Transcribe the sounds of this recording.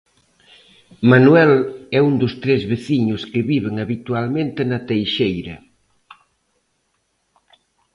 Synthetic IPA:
manuɛlɛund̪ʊst̪ɾezβeθiɲʊskɪβiβeŋaβit̪ualmẽnt̪ɪnɐt̪ejʃejɾɐ

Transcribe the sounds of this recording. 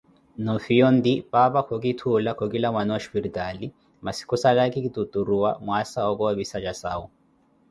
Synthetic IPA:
nɔfiɔnd̪ipapakʰɔkitʰulakʰɔkilamwanɔwaʃpiɾitʼali | masi̥kʰusalakikitutʼuɾuwa̰mwasaɔkɔaβisat͡ʃasaːu

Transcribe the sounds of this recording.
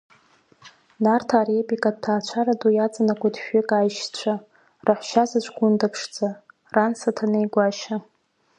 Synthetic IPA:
nartʰarepʼikʼad̚tʰaːt͡ʃʷʰaɾadʼujat͡sʼanakʷadʃᶣɪkʼajʃt͡ɕʷʰa | raħʷʃazat͡ʃʷʰʼɡʷʊndapʰʂd͡zʼa | ransatʰanejɡʷaʃa

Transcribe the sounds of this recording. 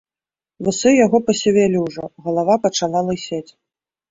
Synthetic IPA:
vɨsɨjaɣɔpɐsʲɛvʲelʲiwʐɔɣɐlˠavapɐt͡ʂalˠalˠɐsʲet͡sʲ

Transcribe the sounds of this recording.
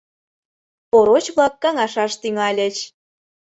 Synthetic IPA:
poɾot͡ɕβlˠɑkːɑŋɑʃɑʃt̪yŋɑlʲə̆t͡ɕ

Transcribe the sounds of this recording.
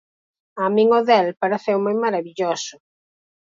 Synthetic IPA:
amĩŋoðɛlpaɾeθɛwmojmaɾaβiʎosʊ

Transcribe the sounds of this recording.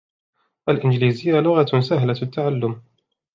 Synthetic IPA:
ʔalʔɪnd͡ʒliːzɪjːalʊɣasaɦlaat̪ːaʕalːʊm

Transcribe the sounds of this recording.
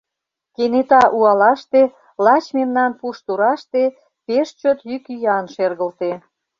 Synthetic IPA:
kenet̪ɑʔuɑlɑʃt̪e | lɑt͡ɕmemnɑnpuʃt̪uɾɑʃt̪e | peʃt͡ɕot̪jykyjɑnʃerɣəlt̪e

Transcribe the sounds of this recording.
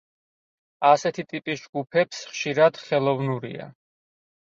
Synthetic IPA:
asɛt̪ʰit̪ʼipʼisd͡ʒɡupʰɛpsχʃiɾad̪̥χɛlˠɔvnuɾḭa̰

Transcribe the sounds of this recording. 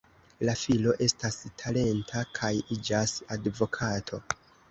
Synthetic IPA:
lafilo̞ʔe̞stastʰale̞ntʰakʰajid͡ʒasadvo̞kʰatʰo̞

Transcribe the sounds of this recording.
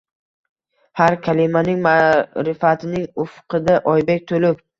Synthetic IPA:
haɾkʲʰalɪmanɪŋmaɾɪfat̪ʰɪnɪŋʊfqʰɨd̪aʔɒjbekʲt̪ʰolɪp

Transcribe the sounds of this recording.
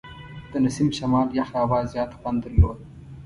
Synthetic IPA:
d̪̥ənasimʃamɑljaxaːwɑzjɑt̪xwand̪d̪əɾlod̪̚

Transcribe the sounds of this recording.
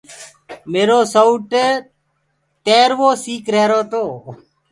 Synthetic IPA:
meːɾoːsouʈeː | t̪eːɾʋoːsiːkɾeːɾoːt̪oː

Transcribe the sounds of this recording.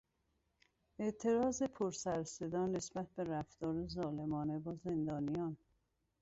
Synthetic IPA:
eʔt̪ʰe̞ɾɒːze̞pʰoɾsæɾse̞d̪ɒːnːe̞sbæt̪̚ʰbe̞ɾæft̪ɒːɾezɒːlemɒːne̞bɒːze̞nd̪ɒːnijɒːn

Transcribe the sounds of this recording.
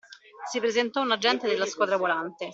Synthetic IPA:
sipɾezent̪ɔunad͡ʒːɛnt̪ed̪elːaskwɔd̪ɾavolant̪e

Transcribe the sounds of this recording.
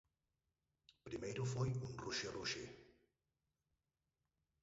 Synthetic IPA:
pɾimejɾufojunruʃeruʃe

